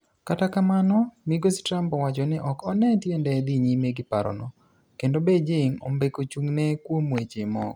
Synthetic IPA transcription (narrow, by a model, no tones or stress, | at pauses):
katakamanɔmiɡostɾampɔwat͡ʃɔnɪʔɔkɔnɛtjɛndɛd̪iɲimeɡɪpaɾɔ̰nɔ̰ | kendobed͡ʒɪŋo̰mbekot͡ʃuŋnɛkwomwet͡ʃemɔ̰ɡ